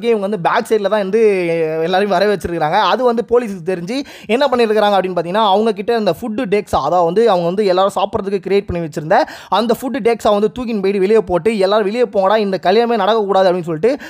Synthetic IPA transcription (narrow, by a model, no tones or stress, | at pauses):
k̬ːẽɪʋɐŋɡɐʋɐnd̪ɯbaːkseːɾɪlɐt̪ãːɛnd̪ɯɛlːaːɾɯjʊ̃ʋɐɾɐʋɛt͡ʃːɪɾɾɯkːɪɾaːŋɡɐːðɯʋɐnd̪ɯpoːliːsɯkːɯt̪ɛɾɪɲd͡ʒi | ɛnːɐpɐɳːɪɾɯkːɪɾaːŋɡɐpːɐɽɪnːpaːɾt̪ɪŋɐnːaːʋɐŋɡɐk̬ɪʈːɐɐnd̪ɐfʊɖːɯɖeksaɐðaːʋɐnd̪ɯɐʋɐŋɡɐʋɐnd̪ɯɛlːaːɾɯ̃saːpɯɾɐðɯkːɯkɪɾɪjeːʈ̚pɐɳːiʋɛt͡ʃːɯɾɯnd̪ɐ | ɐnd̪ɐfʊɖːɯɖeːksaːʋɐnd̪ɯt̪uːkɪnpɐjɽiʋɪɭɪjɐpoːʈːɯɛlːaːɾɯ̃ʋɪɭɪjɐpoːŋɡɐɽãːɪnd̪ɐkɐljaːmeːnɐɽɐkːɐkːuːɽaːðɯɐpːɽɪnːɯsɔlːɪʈ̬ːɯ